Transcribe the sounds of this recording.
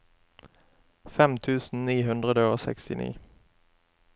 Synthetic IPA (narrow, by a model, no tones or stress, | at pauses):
fɛmt̪ʰʉːsn̩niːɦʉnd̪ʁəd̪əoːsɛ̰kst̪ɪ̰nḭː